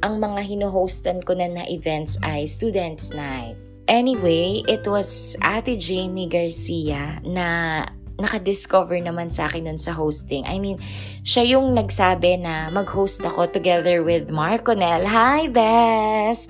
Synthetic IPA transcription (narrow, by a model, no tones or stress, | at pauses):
ʔɐŋmɐŋaɦɪnoɦowst̪ɐnkonɐnɐʔɪvɛnt̪sʔɐjst̪uːd̪ɛnt̪snajt̪̚ | ʔɛniwejʔɪt̪wɐsʔa̰ːt̪id͡ʒejnɪɡɐɹsiɐnɐ | nɐkɐd̪ɪskovɛɹnɐmansa̰ːkɪnd̪ʊnsɐɦowst̪ɪŋʔɐ̰jmĩn | ʃajʊŋnɐɡsaːbɛnɐmɐɡ̚howst̪ɐko̞t̪ʊɡɛðəɹwɪd̪maɹkonɛlɦajbɛs